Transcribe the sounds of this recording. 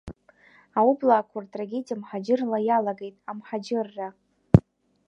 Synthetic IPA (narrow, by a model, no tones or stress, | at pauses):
aublaːkʷʰartʼraɡʲe̞dijamħad͡ʒɪrlajalaɡe̞jtʼamħad͡ʒɪrːa